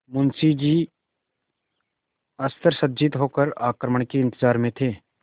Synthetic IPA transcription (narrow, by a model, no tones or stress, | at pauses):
mʊnsid͡ʒiː | əst̪ʰəɾsəd̪d͡ʒɪt̪ɦoːkəɾaːkɾəməɳkeɪ̃nt̪ɪzaːɾmẽt̪ʰeː